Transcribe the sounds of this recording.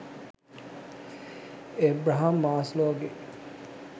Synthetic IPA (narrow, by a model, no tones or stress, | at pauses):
ebɾaɦamːaːsloːɡe